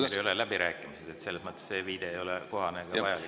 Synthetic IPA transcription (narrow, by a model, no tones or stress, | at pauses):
elejolelæb̥iɾʔæːkːˑimised̪̥et̪se̞lːesmɤt̪ːesse̞ːviːd̪e̞ejo̞leko̞ɦɑneɡ̥ɑɑjɑli